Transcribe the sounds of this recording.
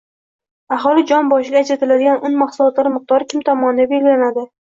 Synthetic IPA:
aɦɒlˠɪd͡ʒɒnbɒʃɪɡʲaːt͡ʃɪɾat̪ɪlad̪ɪɡʲanʊnmaχsʊlˠɒt̪laɾmɨq̚t̪ɒɾkʲʰɪmt̪ʰɒmɒnd̪abe̞lɡʲɪlanad̪ɪ

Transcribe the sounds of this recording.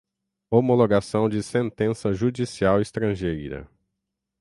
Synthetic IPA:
omoloɡasɐ̃w̃d͡ʒɪsẽnt̪ẽsɐʒud͡ʒisiawɪst̪ɾɐ̃ʒejɾɐ̰

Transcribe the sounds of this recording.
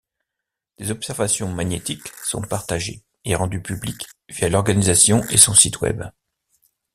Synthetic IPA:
d̪̥ezɔpsɛʁvasjɔ̃maɲet̪iksɔ̰̃paʁt̪aʒḛ | eʁɑ̃d̪ypyblikvijalɔʁɡanizasjɔ̃esɔ̃sit̪wɛ̰b

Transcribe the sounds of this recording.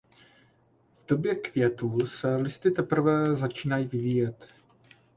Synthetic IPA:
vdo̞bjɛkvjɛt̪uːlsɛlɪst̪ɪt̪ɛpr̩vɛzat͡ʃiːnajivɪviːjɛt̪

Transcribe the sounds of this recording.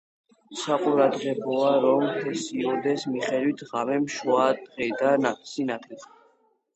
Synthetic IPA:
saqʼuɾad̪ʁɛbɔaɾɔmpʰɛsiɔd̪ɛsmiχɛd̪wit̪ʰʁamɛmʃwad̪̥ʁɛd̪anasinat̪ʰɛt̪

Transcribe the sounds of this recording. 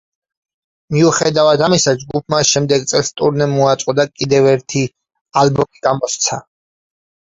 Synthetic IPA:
miuχɛd̪avad̪amisad͡ʒɡup̚ʰmaʃɛmd̪ɛɡ̚t̪sʼɛlst̪ʼuɾnɛmːuat̪sʼqʼɔd̪akʼid̪ɛvɛɾt̪ʰi | albɔmiɡamɔst̪sʰa

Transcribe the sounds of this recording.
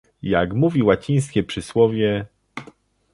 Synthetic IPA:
jaɡmuvʲiwat͡ɕij̃skʲɛpʂɘswɔvʲjɛ

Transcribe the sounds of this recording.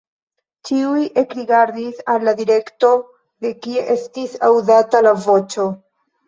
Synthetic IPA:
t͡ʃiujʔe̞kɾiɡaɾd̪isalːad̪iɾe̞kto̞ | d̪e̞kie̞ʔe̞stisawzatalavo̞t͡ʃo̞

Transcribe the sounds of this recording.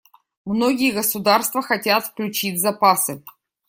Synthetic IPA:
mnoɡʲɪjəɡəsʊd̪arst̪vəxɐtʲat̪fklʲʉt͡ɕitʲzɐpasɨ

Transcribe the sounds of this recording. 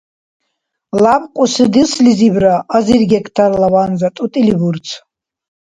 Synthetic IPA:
labqʷʼusɨd̪islizibɾaʔazirɡɛkʰt̪ʰarlavanzat̪ʼut̪ʼilibuɾt͡sʰ

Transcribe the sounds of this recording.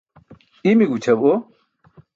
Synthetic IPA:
imiɡut͡ɕʰɐbo

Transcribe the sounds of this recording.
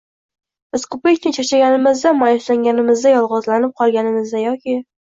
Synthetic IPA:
bɪzkʰɵpakʲnʲɪt͡ʃʰat͡ʃʰaɡʲanɪmɪzd̪amajɪslaŋɡʲanɪmɪzd̪ajɒlˠʁɒzlanɪp̚qʰɒlˠɡʲanɪmɪzd̪ajɒkʲɪ

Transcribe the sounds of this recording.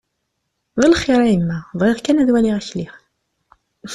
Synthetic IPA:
ðˤəlχiɾˤæjəmːæðˤʁiðˤkænæðwæliʁæçliχ

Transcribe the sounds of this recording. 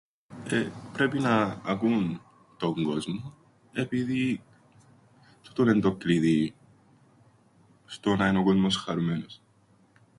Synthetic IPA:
epɾe̞pinɐːkun | t̪o̞ŋɡo̞zmo | e̞piði | t̪u̥t̪one̞nd̪okɾiði | st̪onɐenoɡozmosxɐɾumenos

